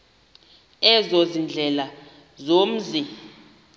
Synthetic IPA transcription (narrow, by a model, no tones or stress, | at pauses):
ɛzozind͡ɮʱɛla | zom̩zi